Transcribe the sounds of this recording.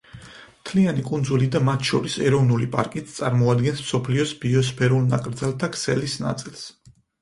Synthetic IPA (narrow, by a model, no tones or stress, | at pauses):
mt̪ʰlianikʼund̪zulid̪amat̪ʰʃɔɾisɛɾɔvnulipʼa̰ɾkʼit̪st̪sʼaɾmɔad̪ɡɛnsmsɔpʰliɔsbiɔs̬pʰɛɾulˠna̰kʼɾd̪zɛlˠt̪ʰakʰsɛlisna̰t̪sʼilˠs